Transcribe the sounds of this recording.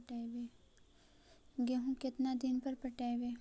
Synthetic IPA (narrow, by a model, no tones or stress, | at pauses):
ʈaːʋe | ɡeɦũkɪt̪nad̪ɪnpɐɾpɐʈaeʋeː